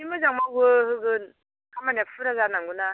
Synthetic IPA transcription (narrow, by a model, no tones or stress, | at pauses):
imɯzaŋmaɡɯɦɯɡɯn | kamanapfʰuɾazanaŋɡuna